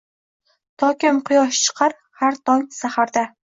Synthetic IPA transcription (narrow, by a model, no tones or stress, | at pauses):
t̪ʰɒkʲɪmqʰʊjɒʃt͡ʃʰɨ̥qʰɑɾ | haɾt̪ʰɒŋsahaɾd̪a